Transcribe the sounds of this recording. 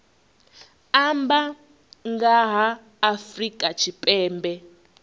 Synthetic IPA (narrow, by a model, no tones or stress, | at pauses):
amba | ŋɡaɦaː | frikʼat͡ʃʰipʼɛːmbɛ